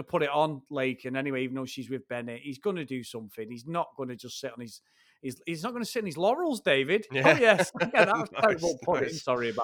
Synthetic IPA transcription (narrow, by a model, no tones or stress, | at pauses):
nəpʰʊɾɪtn̩leɪkʰɨ̃nɛnɪweɪivən̩ðoʊʃizwɪðbɛnɪʔhizɡʌnədɨsʊ̃mθɪ̃ŋiznəʔɡ̥ʌnəd͡ʒʌstsɪtn̩iz̥ | hiziznəʔ̚ɡ̥ʌnəsɪtn̩izlɔɹəl̩ˠzdeɪvɪd̥oʊjɛskɛðə̥tʰeɪbəpʰʊɾɪtɪ̃msɔɹiəba